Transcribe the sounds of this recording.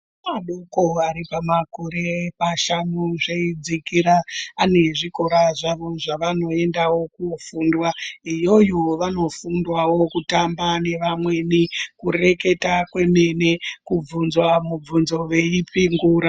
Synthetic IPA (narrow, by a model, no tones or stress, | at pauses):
maɗukoaɾipamakoɾe̞paʃanuʐeid͡zikiɾaːne̞ʐiko̞ɾaʐaʋo̞ʐaʋano̞e̞ndawo̞kufuːndwaijo̞jo̞ʋano̞fundwawo̞kutambane̞ʋamwe̞nikure̞ke̞takwe̞me̞ne̞kub͡vunzwamub͡vunzo̞ʋe̞ipiŋɡuːɾa